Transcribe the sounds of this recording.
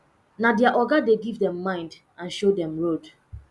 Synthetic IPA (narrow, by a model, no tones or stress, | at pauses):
nadɛaʔɔɡadeɡivdɛ̃mːãɪ̃nd | ãnʃodɛ̃mɹod